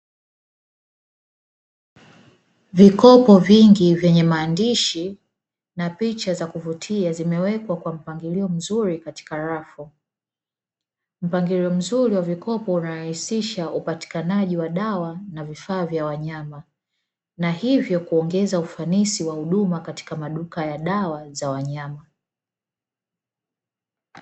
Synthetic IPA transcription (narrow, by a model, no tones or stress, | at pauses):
vikɔpɔviŋɡivjɛɲɛmaːndiʃi | napit͡ʃazakuvutʰiazimɛwɛkwakwam̩paŋɡiliɔm̩zuɾikati̥kaɾafu | m̩paŋɡiliɔm̩zuɾiwavikɔpɔunaɾahisiʃaupati̥kanaʄiwaɗawanavifaːvjawaɲama | nahivjɔkuɔŋɡɛzaufanisiwahuɗumakati̥kamaɗukajaɗawazawaɲama